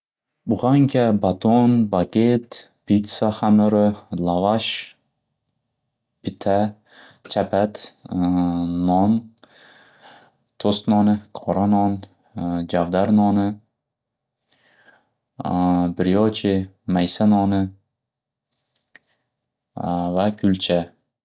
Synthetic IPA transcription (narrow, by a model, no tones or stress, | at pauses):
bʊʁaŋkʲabat̪onbaɡʲet̪ | b̥it̪saχamɪɾolavaʃ | b̥it̪ʰa | t͡ʃʰapʰat̪ | ɔn | t̪ʰost̪nɒnɪqʰɒɾanɒn | d͡ʒavd̪aɾnɒnɪ | bɪɾjɒt͡ʃʰɪ | majsanɒnɪ | vakʲʰʊlt͡ʃʰa